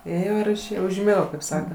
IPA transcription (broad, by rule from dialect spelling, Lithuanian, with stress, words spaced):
ˈeːjoː ɪr ɪʃʲˈeːjoː ʊʒʲˈmʲɪɡoː kɐɪp ˈsɑːkɐ